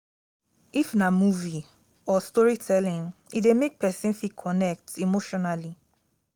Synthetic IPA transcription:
ifnamuvi | ɔstɔɹitʰɛlĩŋidemek̚pʰɛsĩnfikʰɔnɛk̚timoʃɔnali

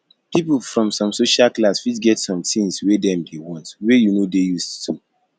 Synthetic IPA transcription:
pipufɹɔ̃msɔ̃msoʃalklasfidɡɛtsɔ̃mtĩŋswɛdɛ̃mdewɔ̃ntwɛjunodejusttʰu

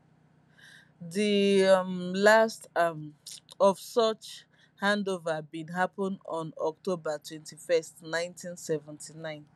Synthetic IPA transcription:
ði | last | ɔvsət͡ʃ | hãndovəbidɦapɔ̃nɔ̃nɔk̚tʰobətʰwɛ̃ntʰifɛstnãɪ̃ntʰĩnsɛvɛ̃ntʰinãɪ̃n

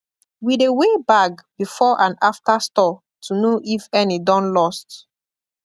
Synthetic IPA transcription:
widewebakbifɔʔãnaftastɔ | tʰunoʔifɛnidɔ̃nlɔst

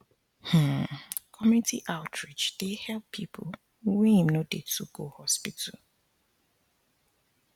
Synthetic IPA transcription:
h̩kʰɔmtʰiʔaʊtʰɹid͡ʒd̥ehɛlppʰːipʰo | wĩĩmnodetuɡohɔspitʰəl

